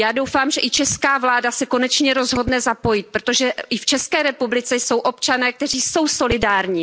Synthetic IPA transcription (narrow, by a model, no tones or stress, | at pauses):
jaːdowfaːmʒɛʔɪt͡ʃɛskaːvlaːdasɛko̞nɛt͡ʃɲɛɾo̞zɦo̞dnɛzapo̞jɪt̪̚pɾot̪o̞ʒɛɪft͡ʃɛskɛːɾɛpublɪt͡sɛjso̞wʔo̞pt͡ʃanɛːk̚t̪ɛriːso̞wso̞lɪdaːɾɲiː